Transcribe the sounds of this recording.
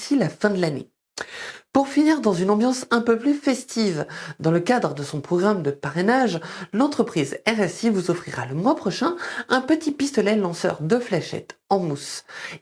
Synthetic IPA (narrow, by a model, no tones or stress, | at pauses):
silafɛ̃d̪əlanḛ | puʁfiniʁd̪ɑ̃zynɑ̃bjɑ̃sɛ̃pøplyfɛst̪ivd̪ɑ̃ləkad̪ʁəd̪əsɔ̃pχɔɡʁamd̪əpaʁenaʒlɑ̃t̪χəpχizɛʁɛsivuzɔfχiʁa̰ləmwapχɔʃɛ̃ɛ̃pət̪ipist̪ɔlɛlɑ̃sœ̰ʁd̪əflaʃɛ̰t̪ɑ̃mus